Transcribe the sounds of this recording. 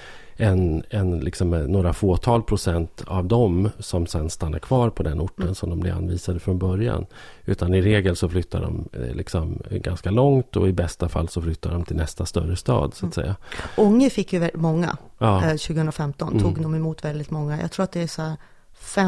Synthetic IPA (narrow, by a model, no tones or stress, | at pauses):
ɛnɛnlɪksɔmːoːɾafoːt̪ʰɑːlpʰɾʊsɛnt̪ʰavd̪ɔmsɔmsɛnst̪anːa̰ɾkʰvɑːɾpʰɔd̪ɛnʊʈːənsɔmd̪ɔmblɪɾa̰nviːsad̪əfɾɔnbœɾja̰n | ʉ̟ːt̪ʰanɪɾeːɡəlsɔflʏt̪ʰːa̰ɖɔ̰mlɪksɔmɡa̰nskalɔŋt̪ɔ̰ɪbɛst̪afa̰lːsɔflʏt̪ːaɖɔmt̪ʰɪlnɛst̪ast̪œ̰ɾəst̪ɑ̰ːd̪sʊat̪sɛ̰jːaʊŋːəfɪkːjɵvɛmɔŋːa̰ɑːɕʉ̟ɡəhɵnɾafɛmt̪ɔnt̪ʰuːɡd̪ɔmɛmuːt̪vɛld̪ɪt̪mɔŋːajɑ̰ɡt̪ʰɾuːɾat̪d̪ɛːsɔhæːɾ | fɛ